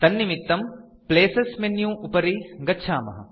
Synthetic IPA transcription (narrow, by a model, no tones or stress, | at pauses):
t̪ɐnːimit̪ːɐm | pleːsɐsmenːjũːupɐɾiɡɐtːʃʰaːmɐɦɐ̰